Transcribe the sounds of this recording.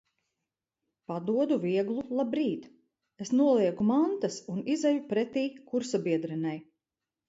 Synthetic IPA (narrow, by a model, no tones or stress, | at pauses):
pad̪uɔd̪uviɛɡlˠulˠabɾiːt̪ | e̞snuɔlˠiɛɡumant̪asunizajupɾɛt̪iːkuɾsabiɛd̪ɾɛnaj